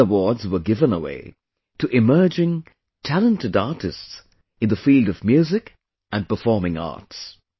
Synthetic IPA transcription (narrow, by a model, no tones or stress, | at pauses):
əwɔɹdzwə˞ɡɪvə̃nəwḛɪ | tʰɨʔɪmɜ˞d͡ʒɪ̃ŋ | tʰælˠə̃ntɨdɑɹtɨsts | ɨ̃nðəfilˠdʌvmjʉzɪk | ɨ̃n̚pəfɔɹmɪ̃ŋɑ̰ɹts